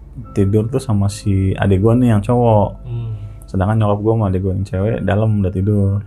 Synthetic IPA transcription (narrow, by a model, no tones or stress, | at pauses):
t̪idʊrt̪usamasia̰daɡuanɪjaŋt͡ʃowɔ | sədaŋkanɲɔkɔp̚ɡuamaadaɡuanɪnt͡ʃewɛ̰daləmdat̪idʊr